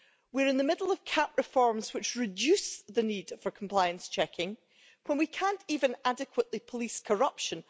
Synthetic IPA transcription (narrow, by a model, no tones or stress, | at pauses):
wiəɹɪ̃nðəmɪdl̩ˠəv̥kʰãpɹɪfɔɹmz̥wɪt͡ʃɹɪd͡ʒʉsðənid̥fə˞kʰə̃m̩pʰl̥aɪə̃nst͡ʃʰɛkʰɪ̃ŋ | wə̃nwikʰãnʔivə̃nadɪkʰwəʔlˠipʰəlˠiskʰə˞ʌpʃə̃n